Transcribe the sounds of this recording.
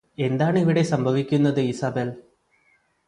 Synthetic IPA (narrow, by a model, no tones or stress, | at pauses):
e̞nd̪aːɳiʋiɽe̞sɐmbʱɐʋikʲːunːɐðɨisɐbeːl